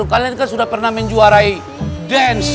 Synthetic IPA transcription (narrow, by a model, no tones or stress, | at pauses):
ukaliankansudahpərnaməɲd͡ʒuaɾai | dɛns